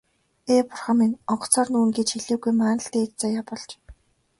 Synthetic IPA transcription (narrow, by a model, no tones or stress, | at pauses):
eːpʊrχə̆minɔɴɢɞ̥̆t͡sʰɔːrnuːŋɡeːt͡ɕxiɮeːɡujmaːnə̆ɬt̪eːkt͡saːjaːpɔɮt͡ɕ